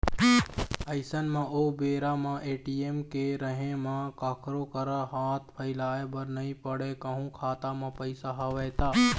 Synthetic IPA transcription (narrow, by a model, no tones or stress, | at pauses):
əɪsənmãːoːbeːɾaːmãʔeːʈieːmkeɾəɦẽmãkakʰɾoːkəɾaɦaːt̪̚ʰpʰəɪlaːebəɾnəĩpəɽekəɦũkʰaːt̪amãːpəɪsaɦɐʋəːt̪aː